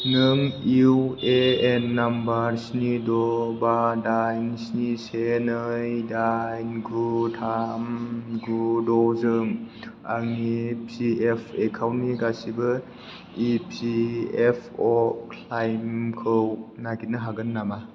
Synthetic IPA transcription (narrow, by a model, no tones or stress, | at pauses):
nɯŋiweenːambaɾsnidɔbadajnsnisenɯjdajnɡutʰamɡudɔzɯŋ | a̰ŋipʰiepʰekʰawniɡasibɯ | ipʰiepʰɔkʰlajmkʰɯwnaɡitnɯɦaɡɯnːama